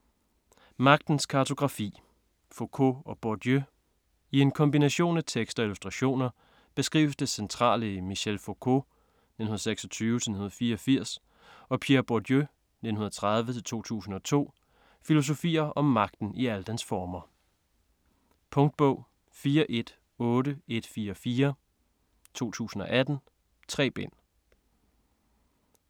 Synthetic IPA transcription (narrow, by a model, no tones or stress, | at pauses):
mɑ̈ɡ̥̚d̥n̩skʰɑ̈t͡sʰo̝ɡ̥ʁɑ̈fḭː | fokʰo̰ɒ̽b̥od̥jø | ie̝nkʰɒ̽mbinæɕo̝̰ːnæt͡sʰeɡ̥sd̥ɒ̽ilusd̥ʁɑ̈ɕo̝̰ːnɐ | b̥e̝sɡ̥ʁḭːʊsd̥esent͡sʰʁɑ̰̈ːləmiɕelfokʰo̝ | ne̥nhunˠːseɡ̥sɒ̽t͡sʰyːʋət͡sʰenhunð̩ˠfiːɐɒ̽fiɐ̰s | ɒ̽pʰjeɐb̥ɒd̥jø | ne̝dnhunðˠɐɐ̥t͡sʰʁɑð̞ˠʋət͡sʰe̝lt͡sʰo̝̰ːt͡sʰṵːsn̩ɒ̽t͡sʰo̝̰ː | filo̝s̬o̝fḭːɐʔɒ̽mːɑ̈ɡ̥̚d̥n̩iæləd̥ænsfɒːmɐ | pʰɔ̽ŋd̥̚b̥ɔ̽ʊ̰ | fiːɐʔe̝d̥ | ɔ̽ːɾəe̝d̥fiːɐɒfiːɐ | t͡sʰo̝̰ːt͡sʰṵːsn̩ɒ̽ʔæd̥n̩ | t͡sʰʁɛ̰ːb̥en̰